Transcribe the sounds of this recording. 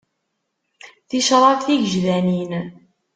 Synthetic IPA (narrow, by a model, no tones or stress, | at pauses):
θiʃɾˤɑtθiʝəʒðænin